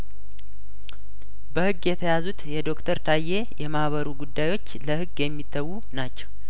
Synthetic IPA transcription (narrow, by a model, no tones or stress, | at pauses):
bəhɨɡːjɛt̪ʰəjazut̪jɛd̪o̞kt̪ʰəɾt̪ʰajːe̞jɛmahβəɾuɡud̪ːajwo̞t͡ʃːləhɨɡjɛmːit̪ʰːəwːu | nat͡ʃːɛw